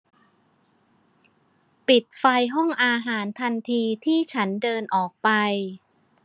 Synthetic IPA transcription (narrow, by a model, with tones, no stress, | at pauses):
pi˨˩t̪̚fa˧jɦɔ˥˩ŋʔaː˧ɦaː˩˦nt̪ʰa˧nt̪ʰiː˧t̪ʰiː˥˩t͡ɕʰa˦˥ndɤː˧nʔɔː˨˩k̚pa˧j